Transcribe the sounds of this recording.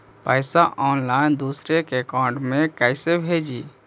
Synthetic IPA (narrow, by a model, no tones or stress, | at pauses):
pəɪsaʔɔːnlaːɪnd̪uːsɾekekaːʊ̃ɳɖmẽkɛɪsebʱed͡ʒiː